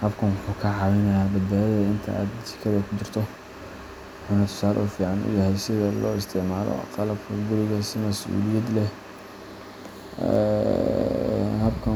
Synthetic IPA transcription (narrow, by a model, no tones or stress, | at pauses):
hɐbkʰɐnwʊħuːkʰɐʕɑːwɪnɐjaːbɐd̪̚baːjɐðɐɪnt̪ʰɐ̰a̰ːd̪t͡ʃɪ̥kʰɐðɐkʰʊt͡ʃɪrt̪ʰɔ | wʊħuːnɐt̪ʰʊ̥saːlɛ̰uːfiːʕanʊ̰jɐɦɛjsɪðɐlɔːɪst̪ʰɪʕmaːlɔ̰qɑlɐb̚kʰɐɡʊɾɪɣɐsɪmɐsʔṵːlɪjɐd̪lɛ | ɛ̰ | hɐbkʰɐ